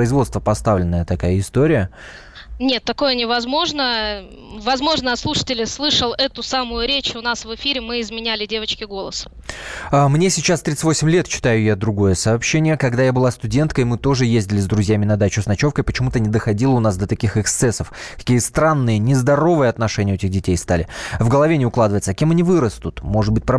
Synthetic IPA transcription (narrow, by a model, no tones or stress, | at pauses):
əɪzvo̞t̪st̪vəpɐst̪avlʲɪnːəjət̪ɐkajəɪst̪oɾʲɪjə | nʲe̞t̪ːɐko̞jənʲɪvɐzmo̞ʐnə | vɐzmo̞ʐnəɐt̪slˠuʂə̥tʲɪlʲɪslˠɨʂəlˠɛt̪ʊsamʊjʊɾʲet͡ɕʊnasvɨfʲiɾʲɪmɨɪzmʲɪnʲælʲɪdʲe̞vət͡ɕkʲɪɡo̞lˠəs | amnʲesʲɪt͡ɕast̪ɾʲit͡s̪sɨ̥tʲvosʲɪmʲlʲe̞t̪t͡ɕːɪ̥t̪ajʊjad̪ɾʊɡo̞jəsɐːpɕːenʲɪjəkɐɡd̪ajabɨlˠast̪ʊdʲe̞nt̪̚kəjmɨt̪o̞ʐɨjezʲdʲɪlʲɪzd̪ɾʊzʲjamʲɪnɐd̪at͡ɕʊsnɐt͡ɕo̞fkəjpət͡ɕɪmut̪ənʲɪd̪əxɐdʲilˠəʊnasd̪ət̪ɐkʲixɛkst̪sɛsəfkɐ̥kʲijəst̪ɾanːɨjənʲɪzd̪ɐɾo̞vɨjəɐt̪nɐʂɛnʲɪəɛtʲɪɣdʲɪtʲejst̪alʲɪvɡəlˠɐvʲenʲɪʊklˠad̪əvəjt̪səkʲe̞mɐnʲivɨɾəst̪ʊt̪mo̞ʐɨd̪bɨt̚ʲpɾɐ